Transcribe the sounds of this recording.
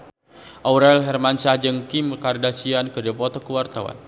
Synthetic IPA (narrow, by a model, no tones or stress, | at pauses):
ʔauɾaɛlɦɛrmansad͡ʒəŋkimkardasiankərdiapɔt̪ɔkəwart̪awa̰n